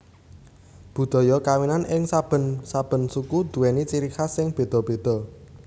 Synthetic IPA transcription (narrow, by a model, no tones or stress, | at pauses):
b̥ṳd̪̥ɔ̤jɔkawinanʔɪŋsab̥ənsab̥ə̤nsukud̪̥ṳwɛnit͡ʃiɾikasɪŋb̥e̤d̪̥ɔ̤b̥e̤d̪̥ɔ̤